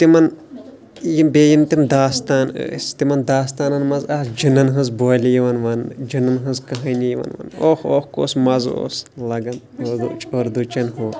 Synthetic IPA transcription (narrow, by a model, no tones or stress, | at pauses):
t̪imɐn | jimbeːjimt̪imd̪aːst̪aːnə̰ːst̪imɐnd̪aːst̪aːnɐnmɐzaːsd͡ʒɨnɐnɦɐ̃zboːlʲijiʋɐnʋɐnd͡ʒɨnɐnɦɨ̃nzkɐɦɐnijiʋɐ̰nʋɐ̰noːxoːxko̰ːsmɐzo̰ːslɐɡɐn | od̪ut͡ʃoɾd̪ut͡ʃɐnɦo